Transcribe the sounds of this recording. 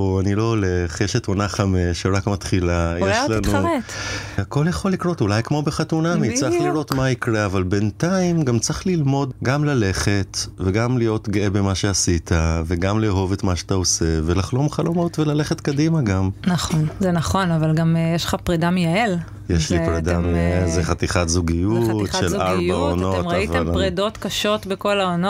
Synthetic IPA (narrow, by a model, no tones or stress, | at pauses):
oanilo̞oleχjeʃetonaχameʃeʁakmat̪χilajeʃlanuetako̞ljeχo̞lːikɾo̞tulajkmo̞beχatunamit͡sʁaχliɾo̞t̪maikʁeavalbe̞ntaimɡamt͡sʁiχlilmo̞d̪ɡamlale̞χe̞t̪veɡamlijo̞tɡeebemaʃe̞asitʰaveɡamleɦo̞vetmaʃeat̪aose̞velaχlo̞mχalo̞mo̞tvelaleχetkadimaɡamnaχonzenaχo̞navalɡamjeʃlχapʁedamijael | jeʃlipʁedamezeχat̪iχatzuɡijutʃelaʁbaonotmivealpʁedo̞t̪kaʃo̞tbeko̞laono